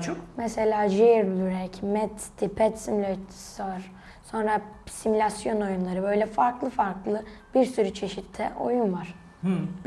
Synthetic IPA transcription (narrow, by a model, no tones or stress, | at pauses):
t͡ʃʰomɛse̞lʲaːʒiɾbylʲyɾɛɾcʰmɛt̪st̪ʰipʰɛt̪simylʲot̪ | saɾ | so̞nɾasimulʲasjo̞no̞junlˠaɾɯbø̞jlʲɛfaɾklˠɯfaɾklˠɯb̥iɾsyɾyt͡ʃʰe̞ʃit̪ʰːɛ̰ʔo̞̰junvaɾ̥